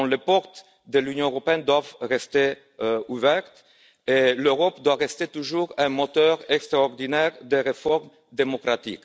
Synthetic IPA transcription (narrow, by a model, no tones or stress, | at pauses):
ɔ̃lepɔʁt̪ | d̪əlynjɔ̃øʁɔpeɛnd̪wavʁest̪e | uvɛʁt̪ | eløʁɔp̚d̪waʁest̪et̪uʒuʁɛ̃mɔt̪œʁɛkst̪ɾaɔʁd̪inɛʁd̪eʁefɔʁm | d̪emɔkʁat̪ḭk